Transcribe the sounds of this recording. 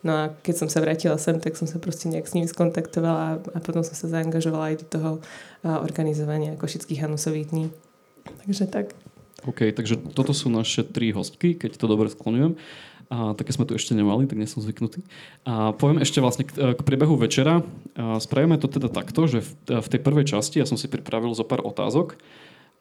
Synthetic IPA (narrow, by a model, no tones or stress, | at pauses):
nɔakɛcsɔmsaʋɾaːcilasɛmt̪aksɔmsapɾɔscɛɲɛaɡsɲimiskɔnt̪akt̪ɔʋalaapɔt̪ɔmsɔmsazaːŋɡaʒɔʋalaːjd̪ɔt̪ɔɦɔʔɔ̰ɾɡanizɔʋaɲɪakɔʃit͡skiɣɦanusɔʋiːt̪ɲi | t̪aɡʒɛt̪akɔʊkɛjt̪aɡʒɛt̪ɔt̪ɔsuːnaʃɛt̪ɾiɦɔsckikɛct̪ɔd̪ɔbɾɛsklɔɲujɛm | t̪akːɛzmɛt̪uɛʃcɛɲɛmalit̪aɡɲɛsɔmzʋiknut̪iːʔapɔʋɪɛmɛʃcɛʋlasɲɛkːkpɾɪɛbɛɦuʋɛt͡ʃɛɾaspɾaʋimɛt̪ɔt̪ɛd̪at̪akt̪ɔʒɛfft̪ɛjpr̩ʋɛjt͡ʃascijasɔmsipɾipɾaʋilzɔpaːɾʔɔ̰t̪a̰ːzɔk